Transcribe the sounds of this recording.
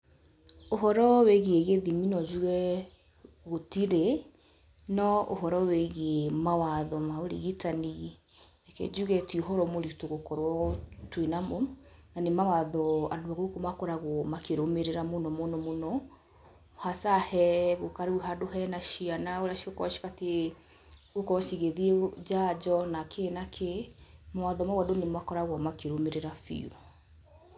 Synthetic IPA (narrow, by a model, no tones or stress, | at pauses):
oɦɔɾɔweɣieɣeðiminɔd͡ʒuɣɛ | ɣotiɾe | nɔʔo̰ɦɔɾɔweɣemawaðɔmaoɾḭɣitani | akɛ̰d͡ʒuɣɛtioɦɔɾɔmoɾitoɣokɔɾwɔtwenamɔ | nanemawaðɔa̰doaɣokomakɔɾaɣwɔmakeɾomeɾeɾamonɔmonɔmonɔ | hasahɛɣokaɾuɦadoɦɛnaʃianaoɾaʃiokɔɔʃi̥kate | ɣokɔʃiɣeðied͡ʒad͡ʒɔnakʰenakʰemawaðɔmaɣwadonemakɔɾaɣwɔmakeɾomeɾeɾafḭṵ